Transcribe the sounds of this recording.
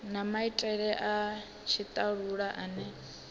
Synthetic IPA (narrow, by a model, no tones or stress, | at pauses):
namaitʼɛɺɛʔa | t͡ʃʰit̪ʼaɺuɺaʔanɛ